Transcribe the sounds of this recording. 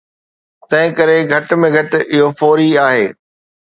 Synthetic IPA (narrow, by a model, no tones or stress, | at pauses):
t̪ɐ̃ɦɪ̃kɐɾeɡʱɐʈ̆mẽɡʱɐʈɪɦofoːɾiaːɦeː